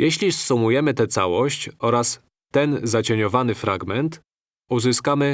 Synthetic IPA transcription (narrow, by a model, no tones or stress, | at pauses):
jɛɕlʲisːumujɛmɘt̪ɛt̪sa̰wɔɕt͡ɕɔɾas | t̪ːɛnzat͡ɕeɲɔvanɘfɾa̰ɡmɛnt̪ | uzɘskamɘ